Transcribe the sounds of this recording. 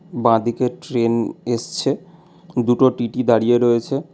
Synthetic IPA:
bãd̪ʱikeʈɾeneʃt͡ɕʰe | d̪uʈoʈiʈid̪aɽijeɾoet͡ɕʰe

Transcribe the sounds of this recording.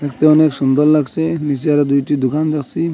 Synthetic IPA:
ɛkt̪eɔneksund̪ɔllaksenis̬iaɾɛd̪ujʈid̪ukʰand̪ɛksi

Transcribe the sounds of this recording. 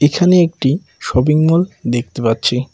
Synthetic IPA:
ekʰaneek̚ʈi | ʃɔbiŋmold̪ek̚t̪epatːɕʰe

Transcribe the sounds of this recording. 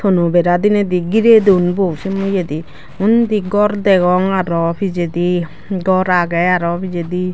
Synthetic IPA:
t̪ʰɔnubɛɾad̪inɛd̪iɡiɾed̪unbowsimujed̪i | und̪iɡɔɾd̪ɛɡɔŋaɾɔpʰid͡ʒed̪i | ɡɔɾaɡɛjaɾɔpʰid͡ʒed̪i

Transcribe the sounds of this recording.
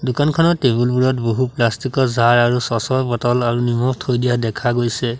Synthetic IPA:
dʊkankʰɔnɔtːebulbuɹɔtboɦuplastikɔzaɹaɹusɔsɔjpɔtɔlaɹunimɔktʰojdijadɛkʰaɡojsɛ

